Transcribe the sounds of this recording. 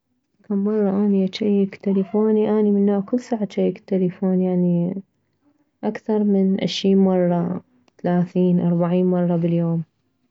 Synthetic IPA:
kamːɑrˤːɑʔaːniat͡ʃajːɪkt̪ɪlɪfoːniʔaːnimɪnːaːkʊlːsaːʕat͡ʃajːɪkt̪alifoːnjaʕni | ʔakθɑɾˤmɪnʕɪ̰ʃiːnmɑrˤːɑ | θalaːθiːnʔɑ̰ɾˤbaʕiːnmɑrˤːɑbɪljoːm

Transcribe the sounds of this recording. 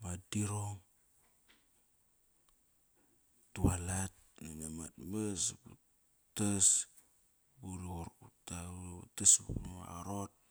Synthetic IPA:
madiɾoŋ | tualat̚naɲamat̚basbṵ | tas | buɾoɾtaṵtasbṵɾa̰ɾot̚

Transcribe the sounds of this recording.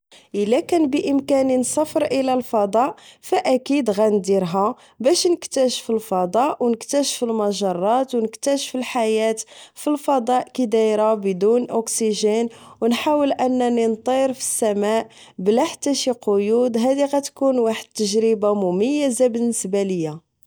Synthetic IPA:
ʔəlːækænbəʔəmkæninsˤɑfəɾˤʔəlælfɑd̪ˤɑʔfæʔækid̪ɣænd̪iɾɦa | bæʃnəkt̪æʃfilfɑd̪ˤɑʔwnəkt̪æʃfilmɑʒɑrˤːɑt̪wnəkt̪æʃfilħajæt̪filfɑd̪ˤɑʔkid̪æjɾabəd̪unʔʊksiʒinwnħawəlʔənːænint̪ˤəɾfi̥sːæmæʔ | blæħḁt̪ːæʃiqojud̪ɦæd̪iɣæt̪kunwaħəd̪̚t̪ːəʒɾibamʊməjːæzæbənːəsbæləjːa

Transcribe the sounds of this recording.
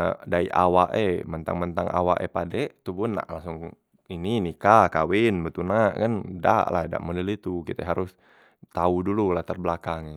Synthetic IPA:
daiʔa̰waʔɛmənt̪a̰ŋmənt̪aŋʔa̰wa̰ʔḛpadɛt̪upʊnːa̰ʔlaŋsʊŋ | ininikakawɪnbət̪unaʔkanda̰ʔla̰da̰ʔmonilit̪ukit̪ɛɦaɾʊs | t̪audululaht̪ərbəlakaŋ

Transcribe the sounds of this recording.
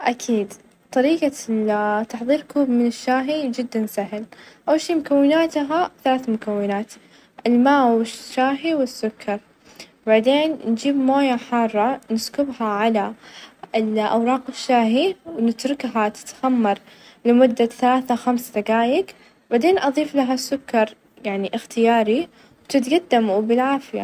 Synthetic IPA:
ʔakʰiːd̪ | t̪ˤɑɾiːɡa | t̪ɑħðˤiːɾkuːbmɪnɪʃːaːɦid͡ʒɪd̪ːansaɦɪlʔawʃiːmʊkawːɪnaːt̪ɦaθalaːθmʊkawːɪnaːt̪ | ʔɪlmaːwɪʃʃːaːɦiwɪsːʊkʰːɑɾˤ | baʕd̪eːnnd͡ʒiːbmoːjaħɑːrˤːɑnɪskʊbhaʕala | ɪlʔa̰wɾˤɑːqɪʃːaːɦiwnɪt̪ɾɪkɦat̪ɪ̥t̪xamːɑɾˤ | lɪmʊd̪ːaθalaːθaxamsd̪aɡaːjɪk | baʕd̪eːnʔɑðˤiːflaɦasːʊkːɑɾˤ | jaʕniʔɪxt̪ɪjaːɾi | wt̪ɪt̪ɡad̪ːamubɪlʕaːfɪja̰

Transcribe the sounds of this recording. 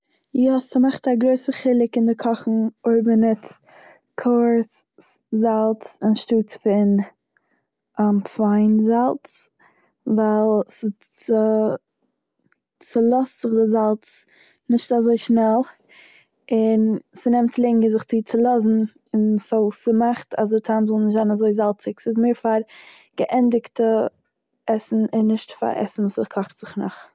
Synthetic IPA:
jɔsəmaχtaɡɾoɪsəχɪlˠɪkɪndɪkʰɔχn̩oɪbənət | kʰɔɾs | zalˠt͡sɪnʃtuːt͡sfɪn | amfaɪnzalˠt͡s | vaɪlˠsɪ | t͡sɪlˠɔstz̥ɪχdɪzalˠt͡s | nɪʃtazoɪʃnɛlˠ | ɪnsɪnɛmtʰlˠɪŋɡəzɪχt͡sːt͡sɪlˠɔzn̩ | ɪnsoɪlˠsəmaχtʰazɪtʰamzɔlˠnɪʃtzaɪnazoɪzalˠt͡sɪksɪzmeːɾfaɾ | ɡ̥əʔɛndɪktʰə | ʔɛsn̩ɪnːɪʃtfa̰ɾʔɛ̰sn̩vuːsɪkʰɔχtz̥ɪχnɔ̰χ

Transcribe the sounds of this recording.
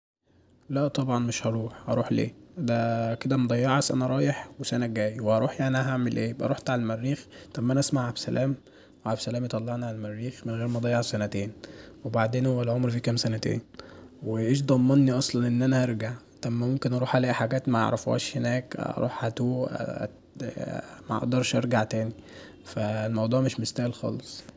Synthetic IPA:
læʔt̪ˤɑbʕɑnmeʃhɑɾˤuːħhɑ̰ɾˤuːħlḛːd̪æked̪æmæd̪ˤɑjːɑʕæsʔæ̰næɾˤɑːjeħwesænæɡæːjwehɑɾˤuːħjaʕniæɦaʕmelʔeːbʔæɾˤuħt̪ʕalæmærːiːxt̪æmːʔænæʔæsmaʕʕabsælʔæːm | weʕæbsælæːmjet̪ˤɑlːɑʕniʕalæmærːiːxmenɣeːɾmæʔɑd̪ˤɑjːɑʕɑsænæt̪eːnwebaʕd̪eːnhowːælʕomɾfiːkæmsænæt̪ḛːnweʔeːʃ̬d̪ˤɑmːɑnniʔɑsˤlɑnʔenːʔænæhæɾɡaʕ | t̪ˤæmːæmomkenʔɑɾˤuːħʕalæːʔħaɡæːt̪mæʔɑ̰ʕɾˤɑ̰fhæ̰ːʃhenæːkɑ̰ɾˤṵːħæt̪ṵː | mæɑ̰ʔd̪ɑɾˤʃʔɑɾˤɡaʕt̪æːni | fælmɑwd̪ˤuːʕmeʃmest̪ælxɑ̰ːlesˤ

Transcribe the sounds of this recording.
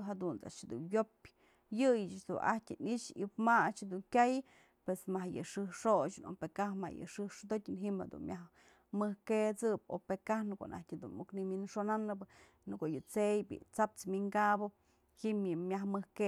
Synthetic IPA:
ɦad̪und̪a̰ʔt͡ʃd̪unjopʲ | jɨjt͡ʃt͡ʃd̪ṵʔʔa̰ht̪ʲɨniʔʃipmaat͡ʃd̪unkʲajɨ | pesmahjɨ̰ʂɨʂot͡ʃno̰pekahmajɨ̰ʂɨhʂod̪otʲɨnɦima̰d̪ṵnmʲjah | mɨhket͡sɨp̚o̰pekahnɨko̰ʔnʔa̰tʲhad̪unmuknimʲinʂonanɨbɨ | nɨkoʔjɨt͡sejbḭt͡sap̚t͡smʲiŋkabɨp̚ | himjɨmjahmɨhke

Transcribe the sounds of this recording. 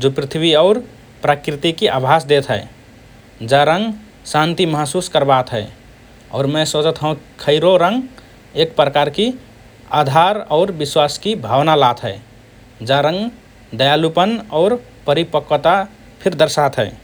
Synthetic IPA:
d͡ʒopɾit̪ʰbiɔʊɾ | pɾakɾit̪ikiʔabʱasd̪et̪ɦəɪ | d͡ʒəɾə̃ŋɡ | sãnt̪iməɦsuskəɾbat̪ɦəɪ | ɔ̰ːɾmə̃sod͡ʒət̪ɦə̃ũkʰəɪɾoɾə̃ŋɡ | ekpɾəkaɾki | ad̪ʱaɾɔːɾbiswaskibʱawnalat̪ɦəɪ | d͡ʒəɾə̃ŋɡ | d̪əjalupənɔːɾ | pəɾipəkət̪a | pʰiɾd̪əɾsat̪ɦɛɪ

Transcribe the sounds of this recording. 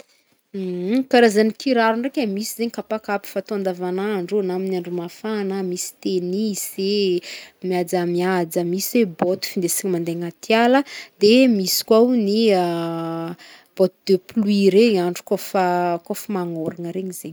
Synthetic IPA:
kaɾazanikiɾaɾuɳrekʲamisizeɲikapakapi̥fat̪oand̪avanaɳɖ͡ʐonaminaɳɖ͡ʐumafanəmisi̥t̪eniːse | miad͡zamiad͡zəmisiwebot̪u̥find̪esiɲimand̪eŋat̪jaləd̪emisi̥kwawniə | b̥ot̪ud̪epluiɾeaɳɖ͡ʐu̥kofəkofəmaŋoɾaŋəɾeɲizeɲ

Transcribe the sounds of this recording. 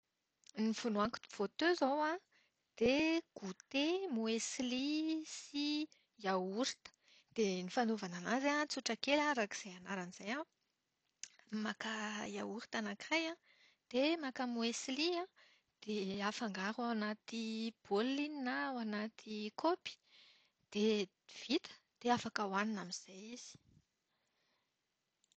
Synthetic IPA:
niv̥unuaku̥v̥ot̪øzawa | d̪̥eɡ̥ut̪emuesilisi | jauɾi̥t̪ə̥ | d̪̥enifanovananazat͡suʈ͡ʂakelaɾaki̥z̥ejanaɾanizaja | makajauɾi̥t̪anakrajã | d̪̥emakamuesliã | d̪̥eafaŋɡaɾawanat̪ib̥olininawanat̪ʰikʰopi̥ | d̪̥e | v̥it̪ʰə̥ | d̪̥eafakawaninamiz̥ajiz̥i̥

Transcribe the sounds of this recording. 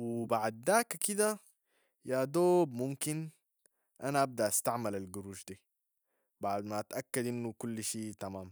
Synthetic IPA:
wibaʕd̪ːaːkkid̪a | jad̪oːbmumkin | ʔanaʔab̚d̪aʔast̪aʕmalalɡuɾuːʃd̪iː | baʕd̪maat̪ʔakːad̪ʔinːukulːʃiːt̪amaːm

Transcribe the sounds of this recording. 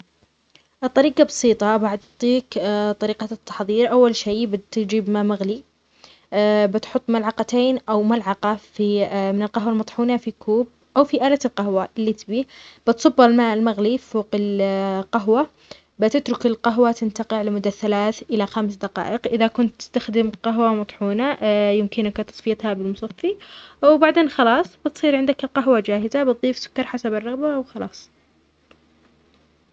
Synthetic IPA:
ʔt̪ˤːɑɾiːqɑbɑsiːt̪ˤɑbaʕʊtt̪ˤːiːkt̪ˤɑɾiːqɑt̪ːɑ̥ħðˤiːɾʔawːalʃeːbɪt̪d͡ʒiːbmamaɣli | bɪt̪ħʊt̪ˤːmalʕɑqat̪eːnʔawmalʕɑqɑfimɪnɪlqaɦwalmɑt̪ˤħuːnafikʰuːb̚ | ʔawfiʔaːlat̪lqahwaʔɪlːit̪biːb̥ɪt̪sˤɑbːalmaːʔɪlmaɣliffoːqɪlqaɦwa | bɪt̪ɪt̪ɾʊkɪlqaɦwat̪ɪnt̪aqɪʕlɪmʊd̪ːaθalaːθʔɪlaxamsd̪ɑqɑ̰ːʔɪqʔɪðakʊnt̪ːɪ̥st̪axd̪ɪmqɑɦwamɑt̪ˤħuːnajɪmkɪnkt̪ɑ̥sˤfɪjɑt̪habɪlmʊsˤɑfːiwbaʕd̪eːnxɑlɑːsˤbɪt̪sˤiːɾʕɪnd̪akɪlqaɦwad͡ʒaːhɪzabt̪̚d̪ˤiːfsʊ̥kːɑɾˤħasabɪrˤːɑɣbawxɑlɑ̰ːsˤ

